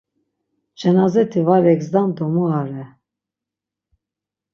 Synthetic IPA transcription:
t͡ʃɛnazɛt̪ʰivaɾɛɡzd̪and̪ɔmuaɾɛ

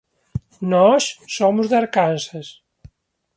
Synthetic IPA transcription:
nɔsːomʊzðaɾkanses

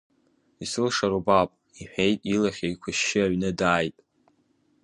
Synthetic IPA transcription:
isɨlʂaɾobapʼ | iħʷᶣejtʼilaχʲaikʷʰʊʃːɪaɥnɨdaːjtʼ

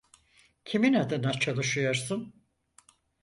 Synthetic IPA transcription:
cʰiminad̪ɯnat͡ʃʰalˠɯʃɯjoɾsɯn

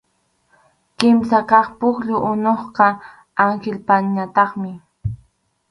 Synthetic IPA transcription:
kɪmsakɑχpʊkʎʊʔʊnoχqɑ | aŋxɪlpaɲat̪ɑχmɪ

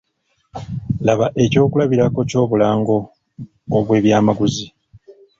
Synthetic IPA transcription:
laβaʔe̞co̞ːkulaβiɾako̞co̞ːβulaːŋɡo̞ː | βwe̞ːβjaːmaɡuzi

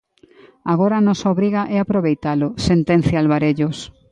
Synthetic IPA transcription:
aɣ̞oɾaːnɔsaoβɾiɣaʔɛapɾoβejt̪alʊsent̪ẽn̟θjaalβaɾeʎʊs

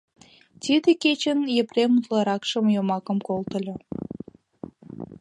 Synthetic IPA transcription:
t̪ʲid̪eket͡ɕənjepremut̪lɑɾɑkʃəmjomɑkə̆mkolt̪ə̆lʲɤ

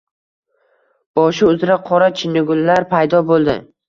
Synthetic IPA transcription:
b̥ɒʃɪʊzɾaqʰɒɾat͡ʃʰɪnʊɡʲʊnlaɾpʰajd̪ɒbolˠd̪ɪ̰

